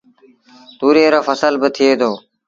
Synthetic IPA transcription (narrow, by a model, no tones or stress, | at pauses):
t̪uːɾeːɾoːfəsəlbət̪ʰɪeːd̪oː